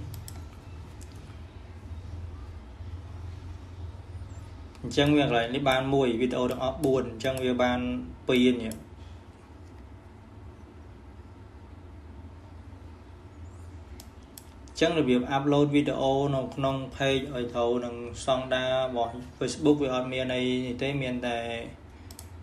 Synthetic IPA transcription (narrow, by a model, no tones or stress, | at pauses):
ɲt͡ɕəŋʋiəkəlaɛk̚nihɓaːnmuəjʋiːɗeʔoːt̪ɛəŋʔɑhɓuənɲt͡ɕəŋʋiəɓaːnpiːənnĭəʔ | ɲt͡ɕəŋrɔbiəp̚ʔap̚loːt̪̚ʋiːɗḛʔoːnɨwkʰnoŋpʰeːk̚ʔaɔjt̪ʰownɨŋsɑŋɗaːrɔɓɑhfeːsɓuk̚ʋiəʔɑt̪̚miənːɨjniht̪eːmiənt̪aɛ